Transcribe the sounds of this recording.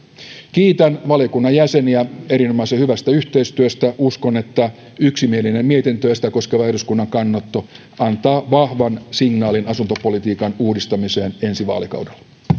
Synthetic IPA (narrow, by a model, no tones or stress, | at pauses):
k̟iːt̪ænʋɑlijokunːɑjjæseniæe̞ɾinomɑˑsehyʋæst̪æyht̪e̞ist̪yøst̪æʔusko̞ne̞t̪ːæ | yksimielinemmiet̪int̪øest̪æko̞skeʋɑerduskunːɑŋkɑnːɑt̪ːo | ʔɑnt̪ɑːʋɑhʋɑnsiŋnɑːlinɑsunt̪opo̞lit̪iːkɑnuːdist̪ɑmiseːnensiʋɑ̰ːlikɑ̰wdelːɑ